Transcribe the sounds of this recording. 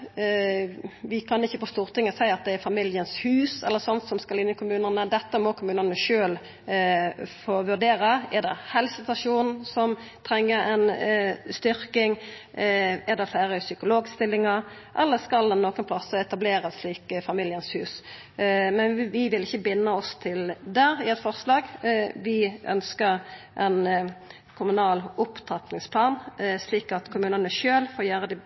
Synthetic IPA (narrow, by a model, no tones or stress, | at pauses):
ʋɪkʰɑnɪçːəpɔst̪uːʁt̪ʰɪŋːəsæɪɑt̪̚d̪ɛɛɾfɑmɪljənshʉːsɛ̰lːəɾsɔnt̪sɔmskɑlɪnːəkʰʊmʉːnənəd̪ɛt̪ːəmɔkʰʊmʉːnənəʃøːl | foːʋʉʁd̪eːɾəɛʁd̪ɛ̰hɛlsəst̪ɑʂuːn̩sɔmt̪ʰɾɛŋːəɾɛnst̪ʏɾkɪŋ | ɛd̪ɛfæːɾəsʏkʊloːɡst̪ɪlːɪŋɑɾ | ʔɛ̰lːəskɑld̪ɛnːoːkənpʰlɑsːəɛt̪ɑbleːʁəsliːkfɑmiːljənshʉːs | mɛnʋɪʋɪlɪçːəbɪnːəɔst̪ʰɪld̪æːɾɪɛt̪fɔʁslɑːɡʋɪʔœ̰nskəɾʔɛn | kʰʊmʉnɑːlʊpt̪ʰɑt̪nɪŋspʰlɑːnsliːkɑt̪kʰʊmʉːnənəʃøːlfoːjøːʁəd̪ɪ